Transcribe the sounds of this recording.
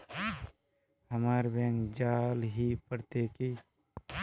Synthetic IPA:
həmaːɾbẽːŋkd͡ʒaːlɦipəɾt̪eːki

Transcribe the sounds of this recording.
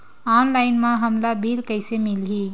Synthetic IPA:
anlajnmãɦəmlabilkəjsemilɦi

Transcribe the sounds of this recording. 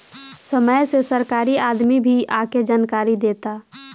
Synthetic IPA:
səməjsesəɾkaːɾiaːd̪mibʱiaːked͡ʒaːnkaːɾid̪eːt̪a

